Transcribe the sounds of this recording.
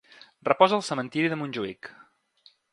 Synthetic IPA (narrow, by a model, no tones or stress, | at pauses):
rrəpɔzəːlˠsəmənt̪iɾiðəmunʲʒuḭk